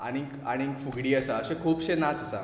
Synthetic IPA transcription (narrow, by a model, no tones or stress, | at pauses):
a̰ɽ̃ika̰ɽ̃ikfuɡɽiːəsaəɕẽkʰuːpɕẽnat͡səsa̰